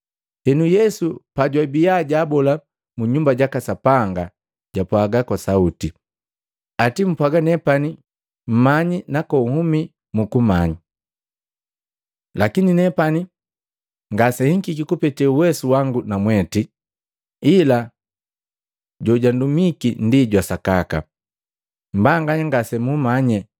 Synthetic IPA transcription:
hɛnujɛsupaɟwabiaɟaːbɔla | muɲumbaɟakasapaŋɡa | ɟapwaɡakwasauti | atim̩pwaɡanɛpani | m̩maɲinakɔuhumi | mukumaɲi | lakininɛpani | ŋɡasɛhiŋkikikupɛtɛuwɛsuwaŋɡunamwɛti | ila | ɟɔɟandumikindiɟwasakaka̰ | mbaŋɡaɲaŋɡasɛmumaɲɛ

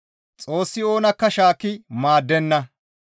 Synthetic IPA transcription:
t͡sʼo̞ːsːɪo̞ːnɐkːɐʃaːkːɪmaːd̪ːɛnːɐ

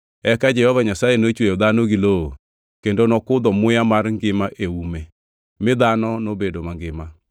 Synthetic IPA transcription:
ɛkad͡ʒɛhɔβaɲasaenoet͡ʃuɛoðanoɣilo | kɛndɔnɔkʊðɔmojamaɾŋɡemaʔeumɛ | meðanɔnobedomaŋɡema

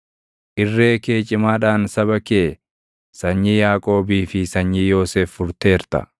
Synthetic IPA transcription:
ʔɪrːeːkeːt͡ʃʼːɪmaːᶑaːnsɐβɐkeː | sɐɲːijaːkʼo̞ːbiːfɪsɐɲːijoːseːfːʊɾt̪e̞ːɾt̪ɐ̰

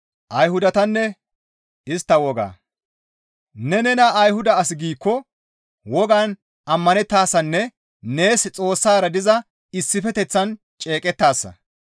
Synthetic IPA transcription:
ʔɐjhʊd̪ɐt̪ɐnːɛ | ɪst̪ːɐwɔɡa̰ː | nɛnɛnɐʔːjhʊd̪ɐːsɪɡiːkːɔ | wɔɡan | ʔɐmːɐnɛt̪ːaːsɐnːɛ | ne̞ːst͡sʼo̞ːsːaːɾɐd̪ɪzɐ | ɪsːɪfɛt̪ɛt͡sːɐn | t͡ʃʼe̞ːkʼɛt̪ːaːsːɐ̰

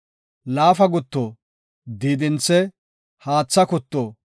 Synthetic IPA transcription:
laːfɐɡʊt̪ːoː | d̪iːd̪ɪnt͡sːɛ | haːt͡sːɐkʊt̪ːoː

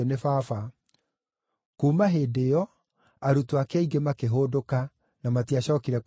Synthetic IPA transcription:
nefaːfa | kuːmaɦeːdejɔ | aɾutoakeaiɡemakeɦodoka | namatiaɕɔːkiɾɛk

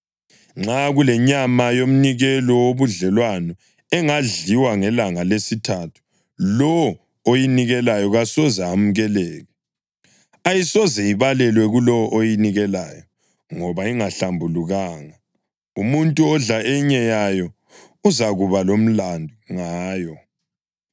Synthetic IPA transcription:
ŋ͡ǁaɣulɛɲamajom̩niɣɛlɔwoβuɮɛlwanɔ | ɛŋaɮiwaŋɛlaŋalesitʰatʰu̥ | lɔ | ojiniɣɛlajɔɣasɔzaːm̩ɣɛlɛːɣɛ | ajisɔzɛiβalɛlwɛɣulɔɔʔojiniɣɛlajɔ | ŋɔβaiŋaɬambʱuluɣaːŋa | umuntʼuɔɮaɛɲɛjajɔ | uzaɣuβalom̩landʱuŋaːjɔ

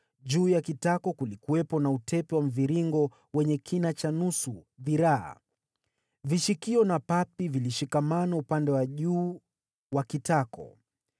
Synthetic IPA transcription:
ʄuːjakitakɔkulikuwɛpɔnautʰɛpɛwam̩viɾiŋɡɔ | wɛɲɛkʰinat͡ʃanusuðiɾaa̰ | viʃikiɔnapapiviliʃikamanaupandɛwaʄuː | wakitakɔ̰

